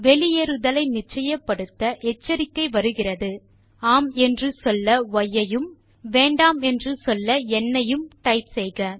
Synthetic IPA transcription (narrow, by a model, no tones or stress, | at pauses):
ʋɛɭɪjeːɾɯðɐlɐɪnɪt͡ʃːɐjɐpːɐɽɯt̪ːɐʔɛt͡ʃːɐɾɪkːɐɪʋɐɾɯɣɪrɐðɯ | aːmɛndrɯsɔlːɐʋɐjːɐjɯm | ʋeːɳɖaːmɛndrɯsɔlːɐɛnːɐjɯmʈɐɪpsɛjɣɐ